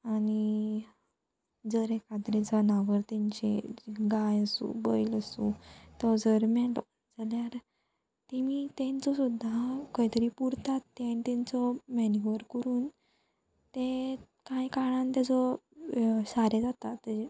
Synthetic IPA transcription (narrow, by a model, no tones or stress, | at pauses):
ani | d͡zəɾekad̪ɾet͡sanaʋəɾt̪ɛ̃ɲt͡ɕḛɡajəsṵ̃bəjiləsṵ̃t̪ɔd͡zəɾmɛʈɔ | d͡zaljaɾ | t̪emiːt̪ɛ̃nt͡sɔsud̪ʱːakəit̪əɾiːpuɾt̪at̪ːɛnt̪ɛ̃nt͡sɔmɛniɡʋəɾkəɾuːn | t̪e | kajkaɭãnt̪jad͡zɔ | saɾed͡zat̪at̪ːe